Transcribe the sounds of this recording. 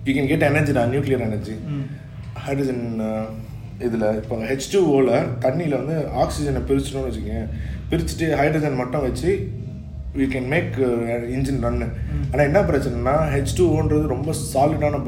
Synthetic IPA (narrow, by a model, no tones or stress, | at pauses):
juːkɛ̃nɡɛːʈːɐɛnɐɾd͡ʒinãːnjuːklɪjɐɾɛnɐɾd͡ʒi | hɐɪɖɾɐd͡ʒɐn | ɪðɪlɐɪpːoːɦɛt͡ʃʈuːoːlɐt̪ɐɳːilɐʋɐnd̪ɯaːksɪd͡ʒɐnɐpɪɾɪt͡ʃːʈːõːnʋɐt͡ʃːɪkːɐ̃pɪɾɪt͡ʃːʈːɯɦɐɪɖɾɐd͡ʒɐnmɐʈːʊ̃ʋɐt͡ʃːɯ | ʋiːkɛnmeːkɪnd͡ʒɪnɾɐnːɯaːnːaːɪnːɐpɐɾɐt͡ʃːɐnɐ̃nːaːɦɛt͡ʃʈuːoːnɾɐðɯɾɔmbɐsaːlɪɽaːnɐ